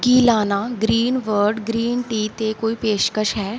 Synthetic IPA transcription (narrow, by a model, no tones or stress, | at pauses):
kiːlaːnaːɡɾiːnʋəɾɖɡɾiːnʈiːt̪ekoːipeːʃkəʃɦɛː